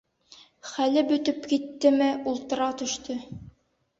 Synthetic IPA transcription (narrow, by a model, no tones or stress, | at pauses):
χælɘbɵ̆t̪ɵpkit̪ːɘmɘulˠt̪ɤ̆ɾɑt̪ɵ̆ʃt̪ɵ